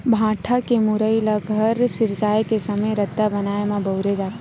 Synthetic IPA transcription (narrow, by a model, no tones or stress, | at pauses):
bʱãːʈʰakemʊɾəilaɡʱəɾsɪɾd͡ʒaːjkesɐməjɾɐd̪ːabɐnaːemãbɐʊɾed͡ʒaːt̪ː